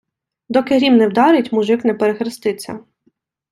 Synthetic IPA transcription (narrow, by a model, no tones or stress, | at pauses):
d̪ɔkɪɦɾʲimnɛwd̪ɑɾɪtʲmuʒɪknɛpeɾexɾɪst̪ɪt͡sʲːɐ̰